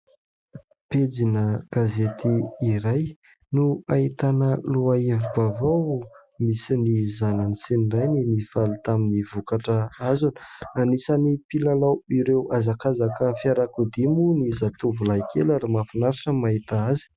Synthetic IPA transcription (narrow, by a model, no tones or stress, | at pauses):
ped͡zinəɡ̥azet̪iːɾaj | nuait̪anəluaevubavaw | misinizananisenirajninifalut̪aminivukaʈ͡ʂəazanə̥anisanipilalawiɾewazakazakəfiaɾakud̪imunizat̪uvulajkʰelaɾimafinaɾaʈ͡ʂəmaɦit̪aazi̥